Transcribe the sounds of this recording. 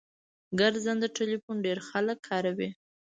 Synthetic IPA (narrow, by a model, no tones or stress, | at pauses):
ɡəɾzand̪əʈelifunɖeɾxaləkʰːɑɾawi